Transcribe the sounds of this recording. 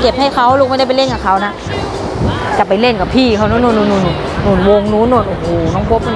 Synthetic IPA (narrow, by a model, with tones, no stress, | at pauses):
ke˨˩p̚ha˥˩jkʰa˧˩wluː˧k̚ma˥˩˨da˥˩˨pjle˥˨nka˨˩kʰa˧˩wna˧˥ʔ | t͡ɕa˨˩pa˨jle˧˩nka˨˩pʰiː˧˩kʰa˧˩wnɔː˧˥˦nuː˧˩nuː˧˩˨nːuː˧˩n˧˩ | nuː˧˩nwo˧ŋnuː˧˥˨nːuː˧˩nʔoː˨˧˩hoː˨˩nɔː˧˥˨ŋpʰo˧˦p̚